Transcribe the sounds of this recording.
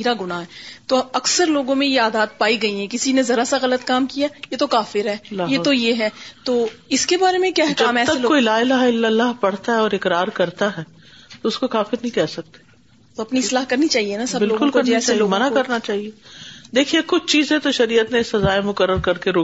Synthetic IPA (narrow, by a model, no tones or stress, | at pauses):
iːɾaɡʊnaɦɛːt̪oɐksəɾloːɡõmẽjeaːd̪aːd̪̚paːiɡɐiɦɛ̃kɪsinẽzɐɾasaɣɐlət̪kaːmkijaːjet̪okaːfɪɾɦɛːlajeːt̪ojeɦɛːt̪oːɪskebaːɾemẽkjaːɦɛkd͡ʒɐːmɛːt̪ɐelokoilaːɪlaːɦɪlːəlːaɦpɐɽ̤t̪aɦɛɔːɾɪkɾaːɾkɐɾt̪aɦɛː | t̪oʊskokaːfɪɾnɐɦĩkɛːsɐk̚t̪e̥ | t̪oɐpniɪslaːɦkɐɾnit͡ʃaːɦienasɐbɪloːɡkʊlkɐɾniɛːaeloːmɐnakɐɾnat͡ʃaːɦied̪eːkʰiekʊt͡ʃʰt͡ʃiːzẽt̪oʃɐɾiːət̪nẽɪsɐzaːemʊkəɾːəɾkɐɾkeɾoː